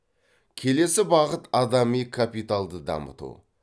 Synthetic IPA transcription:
kʲʰe̞le̞sɪbɑʁət̪ɑd̪ɑmijkʰapit̪alˠd̪əd̪ɑ̰mə̰t̪ṵ

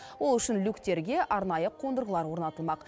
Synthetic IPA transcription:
wo̞lˠʏʃɪnlʲukt̪e̞ɾɡʲe̞ʔɑɾnɑjəqʰo̞nd̪əɾʁəlˠɑɾwo̞ɾnɑt̪əlˠmɑq

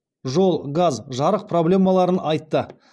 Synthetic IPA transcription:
ʒo̞lˠɡazʒɑɾəq̚pʰro̞blʲe̞mɑlˠɑɾənɑjt̪ːə

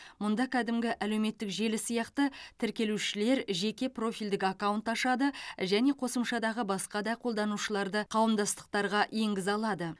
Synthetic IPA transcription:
mʊnd̪ɑkʲʰæd̪ɪmɡʲɪʔæle̞wme̞t̪ːɪkʒe̞lɪsijɑqt̪ət̪ʰɪɾkʲe̞luʃɪle̞ɾʒe̞kʲe̞pro̞fijld̪ɪkakawunt̪ɑʃɑd̪əʒæne̞qʰo̞səmʃɑd̪ɑʁəbɑsqɑd̪ɑjqʰo̞lˠd̪ɑnuʃəlˠɑɾd̪əqʰɑwəmd̪ɑst̪ə̥q̚t̪ɑɾʁɑje̞ŋɡʲɪzɑlˠɑd̪ə

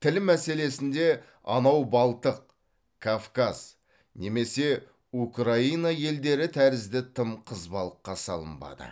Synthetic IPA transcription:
t̪ʰɪlmæse̞le̞sɪnd̪e̞ | ɑ̰nɑwbɑlˠt̪əq̚ | kʰofkaz̥ | ne̞me̞se̞ | ukraijnɑje̞ld̪e̞ɾɪt̪ʰæɾɪzd̪ɪt̪ʰəmqʰəzbɑlˠəqːɑsɑlˠə̰mbɑ̰d̪ə̰

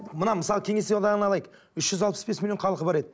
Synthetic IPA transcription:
mənɑməsɑlˠəkʲʰe̞ŋe̞sewd̪ɑʁənɑlˠɑjəq | ʏʃʒ̥ʏzɑlˠpəsbe̞smilʲjo̞ɴqʰɑlˠəqəbɑɾe̞d̪ɪ

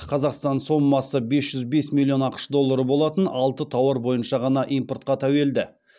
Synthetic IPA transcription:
qʰɑzɑqst̪ɑnso̞mːɑsəbe̞sʒ̥ʏzbe̞smʲilˠːijo̞nɑqə̥ʃd̪o̞lˠːɑɾəbo̞lˠɑt̪ənɑlˠt̪ət̪ʰɑwəɾbo̞jənʃɑʁɑnɑʔijmpo̞rt̪̚qɑt̪ʰæwe̞ld̪ɪ

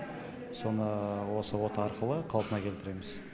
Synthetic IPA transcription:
so̞nəwo̞səwo̞t̪əɑɾqəlˠəqʰɑlˠpənɑkʲʰet̪ɪɾe̞mɪz̥

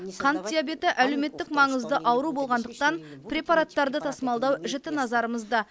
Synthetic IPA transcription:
qʰɑnt̪̚d̪ijabe̞t̪ɪʔæle̞wme̞t̪ːɪkmɑɴəzd̪əʔɑwəɾubo̞lˠʁɑnd̪əq̚t̪ɑnprʲe̞pɑɾat̪ːɑɾd̪ət̪ʰɑsəmɑlˠd̪ɑwʒɪt̪ɪnɑzɑɾəməzd̪ɑ

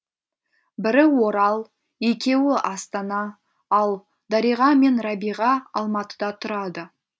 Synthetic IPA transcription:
bɪɾɪwo̞ɾɑlˠ | e̞kʲe̞wɪʔɑst̪ɑnɑ | ɑlˠ | d̪ɑɾijʁɑme̞nɾɑbijʁɑɑlˠmɑt̪ə̥d̪ɑt̪ʰʊɾɑd̪ə

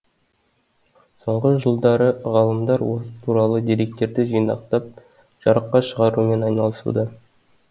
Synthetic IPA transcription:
so̞ɴʁəʒəlˠd̪ɑɾəʁɑlˠəmd̪ɑɾwot̪ʰuɾɑlˠəd̪eɾe̞k̚t̪e̞ɾd̪ɪʒijnɑ̰qt̪ɑp̚ | ʒ̥ɑɾəqːɑʃəʁɑɾume̞nɑjnɑlˠəsṵd̪ɑ

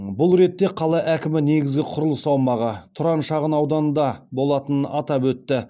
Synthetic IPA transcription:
bʊlˠɾe̞t̪ːe̞qʰɑlˠɑʔækʲɪmɪne̞ɡʲɪzɡʲɪqʰʊɾəlˠəsɑwmɑʁɑt̪ʰʊɾɑnʃɑʁənɑwd̪ɑnəd̪ɑbo̞lˠɑt̪ənənɑt̪ɑpwɵt̪ːɪ

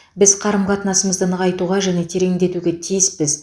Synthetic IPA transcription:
bɪzqʰɑɾəmʁɑt̪ənɑsəməzd̪ənəʁɑjt̪uʁɑʒæne̞t̪ʰe̞ɾe̞ŋd̪e̞t̪uɡʲe̞t̪ʰijɪspɪz

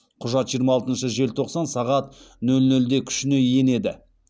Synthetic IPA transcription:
qʰʊʒɑt̪ʒijəɾmɑlˠt̪ənʃəʒe̞lt̪ʰo̞qsɑnsɑʁɑt̪nɵlnɵld̪e̞kʲʰʏ̥ʃɪne̞je̞ne̞d̪ɪ

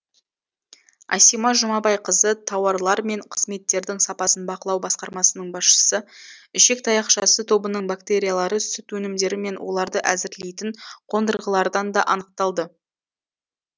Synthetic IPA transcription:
ɑ̰simɑʒʊmɑbɑjqʰəzət̪ʰɑwɑɾlˠɑɾme̞ɴqʰəzme̞t̪ːe̞ɾd̪ɪŋsɑpɑsənbɑqəlˠɑwbɑsqɑɾmɑsənəɴbɑsʃə̥səʏʃe̞k̚t̪ʰɑjɑqʃɑsət̪ʰo̞bənəɴbakt̪e̞ɾʲijalˠɑɾəsʏt̪wɵnɪmd̪e̞ɾɪme̞nwʔo̞̰lˠɑɾd̪əʔæzɪɾle̞jt̪ɪɴqʰo̞nd̪əɾʁəlˠɑɾd̪ɑnd̪ɑʔɑnəq̚t̪ɑlˠd̪ə

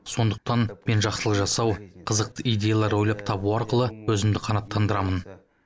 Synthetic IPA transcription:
so̞nd̪əq̚t̪ɑnme̞nʒɑqsəlˠəqʒɑsɑwqʰəzəq̚t̪əijd̪ʲe̞jalˠɑɾwo̞jlˠɑpt̪ʰɑbuɑɾqəlˠəwɵzɪmd̪ɪqʰɑnɑt̪ʰːɑnd̪əɾɑmən

